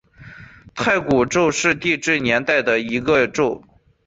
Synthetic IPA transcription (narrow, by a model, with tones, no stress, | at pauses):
t̪ʰa˥˩ɪku˨˩ʈ͡ʂo˥˧ʊʂɻ̩˥˧t̪i˥˧ʈ͡ʂɻ̩˥˩njɛ˧˥nt̪a˥˩ɪd̪ə˩i˧˥ɡə˧ʈ͡ʂo˥˧ʊ